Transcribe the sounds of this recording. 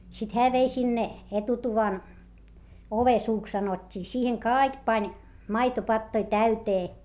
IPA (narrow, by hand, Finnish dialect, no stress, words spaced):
sit hæː ʋei sinːe etutuʋɑn oʋesuːks sɑnotʲːiː siːheŋ kɑˑik pɑnʲ mɑitopɑtːoi tæyteː